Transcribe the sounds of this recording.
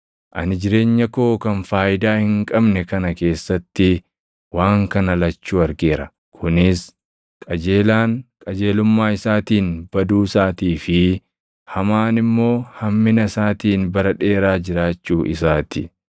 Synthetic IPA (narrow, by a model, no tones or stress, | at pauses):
ʔɐ̰nɪd͡ʒɪɾe̞ːɲːɐkoːkɐnfaːʔɪd̪aːhɪŋkʼɐbnɛkɐnɐke̞ːsːɐt̪ːɪ | waːŋkɐnɐlɐt͡ʃːuːɐɾɡe̞ːɾɐ | kʰʊnɪs | kʼɐd͡ʒeːlaːŋkʼɐd͡ʒe̞ːlʊmːaːɪsaːt̪iːnb̥ɐd̪uːsaːt̪iːfɪ | hɐmaːnɪmːo̞ːhɐmːɪnɐsaːt̪iːnbɐɾɐᶑe̞ːɾaːd͡ʒɪɾaːt͡ʃːuːʔɪsaːt̪ɪ̰